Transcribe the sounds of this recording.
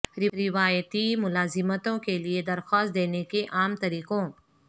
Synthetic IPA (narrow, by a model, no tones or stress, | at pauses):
ɾɪɾɪʋaːjət̪imʊlaːzɪmət̪õkelied̪ɐɾxɔːst̪̚d̪eːnekeʔaːmt̪ɐɾiːqõː